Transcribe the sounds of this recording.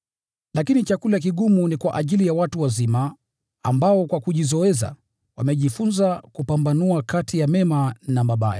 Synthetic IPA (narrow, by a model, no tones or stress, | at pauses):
lakinit͡ʃakulak̬iɠumunikwaʔaʄilijawatuwazima | ambaɔkwakuʄizɔɛza̰ | wamɛʄifunzakupambanuakatijamɛmanamaɓaja̰